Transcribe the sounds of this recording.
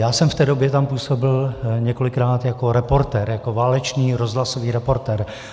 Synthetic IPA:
jaːsɛmft̪ɛːdo̞bjɛt̪ampuːso̞bɪlɲɛko̞lɪkɾaːt̪jako̞ɾɛpo̞ɾt̪ɛːɾjako̞vaːlɛt͡ʃniːɾozɦlasoviːɾɛpo̞ɾt̪ɛːɾ

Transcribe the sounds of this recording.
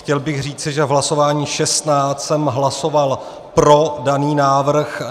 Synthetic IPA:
xcɛlbɪɣr̝iːt͡sɪʒɛvɦlaso̞vaːɲiːʃɛst̪naːt͡ssɛmɦlasoval | pɾo̞daniːnaːvr̩x

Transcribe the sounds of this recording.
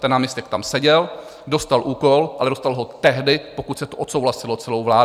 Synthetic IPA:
t̪ɛnːaːmɲɛst̪ɛk̚t̪amsɛɟɛl | do̞st̪alʔuːko̞lʔalɛdost̪alɦot̪ɛɦdɪpokut̪sɛt̪oʔot̪sowlasɪlo̞t͡sɛlowvlaː

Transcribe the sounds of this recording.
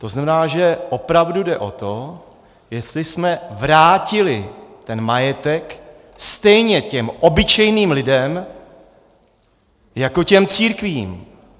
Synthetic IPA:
t̪o̞znamɛnaːʒɛʔo̞pɾavdudɛʔo̞̰t̪o | jɛst̪lɪsmɛvɾaːcɪlɪt̪ɛnmajɛt̪ɛk | st̪ɛjɲɛcɛmʔobɪt͡ʃɛjniːmlɪdɛm | jako̞cɛmt͡siːɾkviːm

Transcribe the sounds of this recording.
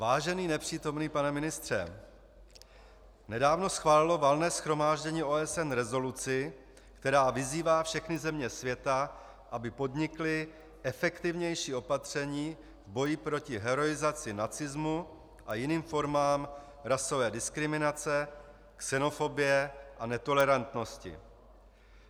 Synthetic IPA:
vaːʒɛniːnɛpr̝̥iːt̪o̞mniːpanɛmɪnɪst̪r̝̥ɛ̰ | nɛdaːvno̞sxvaːlɪlo̞valnɛːsxɾo̞maːʒɟɛɲiːʔo̞ːɛsɛnɾɛzo̞lut͡sɪ | kt̪ɛɾaːvɪziːvaːfʃɛxnɪzɛmɲɛsvjɛt̪a | ʔabɪpo̞dɲɪklɪ | ʔɛfɛkt̪ɪvɲɛjʃiːʔo̞pat̪r̝̥ɛɲiː | vbo̞jɪpɾo̞cɪɦɛɾo̞ɪzat͡sɪnat͡sɪzmu | ʔajɪniːmfo̞ɾmaːm | ɾaso̞vɛːdɪskɾɪmɪnat͡sɛ | ksɛno̞fo̞bɪjɛʔanɛt̪o̞lɛɾant̪no̞scɪ̰

